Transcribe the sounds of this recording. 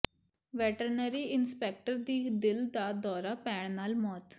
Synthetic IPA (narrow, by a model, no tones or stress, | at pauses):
ʋɛːʈəɾnəɾiːɪnspɛːk̚ʈəɾd̪iːd̪ɪld̪aːd̪ɔːɾaːpɛːɳ̃naːlmɔːt̪